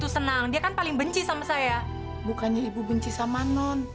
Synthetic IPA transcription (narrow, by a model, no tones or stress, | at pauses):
t̪usənaŋdiakanpalɪŋbəɲt͡ʃisamasaja | bukaɲaibubəɲt͡ʃisamanɔn